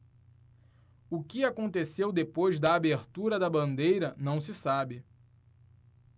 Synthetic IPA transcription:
ʊkɪakõnt̪esewd̪epojzd̪ɐːbeɾt̪uɾɐd̪ɐbɐ̃nd̪ejɾɐnɐ̃w̃s̬ɪsabɪ

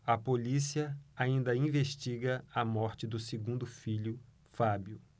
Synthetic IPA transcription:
ɐpolisiɐaĩnd̪ɐĩveʃt͡ʃiɡɐɐmɔɾt͡ʃɪd̪ʊseɡũnd̪ʊfiʎʊ | fabjʊ

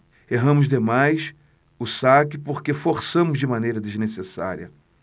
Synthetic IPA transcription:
eɦɐ̃mʊzd̪emajs | ʊsakɪpoɾkefoɾsɐ̃mʊzd͡ʒɪmãnejɾɐd̪eznesesa̰ɾiɐ̰

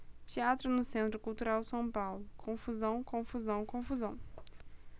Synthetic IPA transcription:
t͡ʃiat̪ɾʊnʊsẽnt̪ɾʊkuwt̪uɾawsɐ̃w̃pawlʊkʰõfuzɐ̃w̃kõfuzɐ̃w̃kõfuzɐ̃w̃

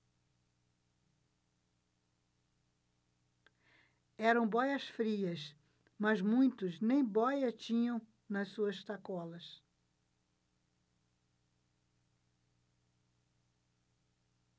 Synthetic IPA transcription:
ɛɾɐ̃w̃bɔjɐsfɾiɐs | mɐzmũj̃t̪ʊznẽj̃bɔjɐt͡ʃĩɲɐ̃w̃ | nɐssuɐst̪akɔlɐs

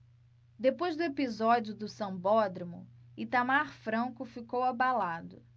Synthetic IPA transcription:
d̪epojzd̪ʊepizɔd͡ʒiʊd̪ʊsɐ̃bɔd̪ɾɐmʊ̰it̪amaɾfɾɐ̃ŋkʊfikowabalad̪ʊ

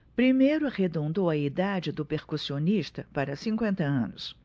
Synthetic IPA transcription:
pɾimejɾʊahed̪õnd̪owɐid̪ad͡ʒɪd̪ʊpeɾkusioniʃt̪ɐpaɾɐsĩŋkwẽnt̪ɐɐ̰̃nʊs

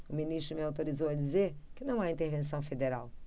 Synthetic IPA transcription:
ʊminist̪ɾʊmɪawt̪oɾizowɐd͡ʒizeɾkɪnɐ̃w̃aĩt̪eɾvẽs̬ɐ̃w̃fed̪eɾaw

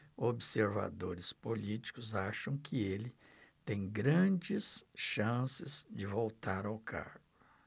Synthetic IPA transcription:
obɪseɾva̰d̪oɾɪspolit͡ʃi̥kʊzaʃɐ̃w̃kʰɪelɪ | t̪ẽj̃ɡɾɐ̃d͡ʒɪsʃɐ̃sɪzd͡ʒɪvowt̪aɾawkʰa̰ɾɡʊ

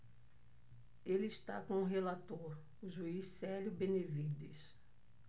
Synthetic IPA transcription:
elɪiʃt̪a̰kõʊ̃ɦelat̪oɾ | ʊʒuissɛljʊbẽnevid̪es

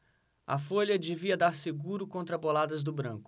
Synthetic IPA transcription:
ɐ̰foʎɐd͡ʒeviɐd̪aɾseɡuɾʊkõnt̪ɾɐbolad̪ɐzd̪ʊbɾɐ̰̃kʊ̥

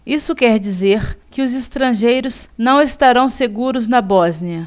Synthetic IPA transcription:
isʊkɛɾd͡ʒizeɾkɪʊzest̪ɾɐ̃ʒejɾʊznɐ̃w̃est̪aɾɐ̃w̃seɡuɾʊznɐbɔzniɐ

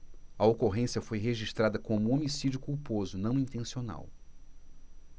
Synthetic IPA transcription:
ɐokoɦẽsiɐfojɦeʒiʃt̪ɾad̪ɐkõmʊomisid͡ʒʊkuwpozʊnɐ̃w̃ĩnt̪ẽsiona̰w

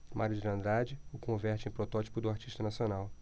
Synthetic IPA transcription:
maɾjud͡ʒilɐ̃nd̪ɾad͡ʒɪʊkõvɛɾt͡ʃɪẽj̃pɾot̪ɔt͡ʃi̥pʊd̪ʊaɾt͡ʃiʃt̪ɐnasionaw

